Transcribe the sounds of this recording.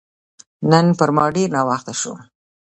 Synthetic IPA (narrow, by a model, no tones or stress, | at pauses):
nənpəɾmɑɖeɾnɑwɑxt̪aʃo̰